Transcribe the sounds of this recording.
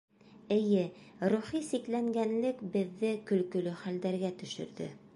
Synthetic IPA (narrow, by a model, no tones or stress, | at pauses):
ɘ̆jɘɾuχisiklæŋɡænlɘkbɘ̆ðːɘkɵ̆lkɵ̆lɵχæld̪æɾɡæt̪ɵ̆ʃɵ̰̆ɾðɘ̰